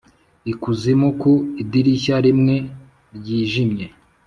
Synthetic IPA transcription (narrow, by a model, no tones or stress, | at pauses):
ikuzimukoidiɾiçaɾimŋe̞ | ɾɟiːʒimɲe̞